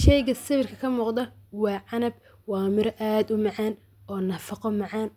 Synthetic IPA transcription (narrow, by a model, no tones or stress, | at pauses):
ʃɛjɣɐsɪβɪrkʰɐkʰɐmuːqd̪ɐwɑːʕɑnɐb̚ | wɑːmɪɾʔaːd̪ʊmɑʕɑːn | ɔːnɐfɑqɔmɑʕɑːn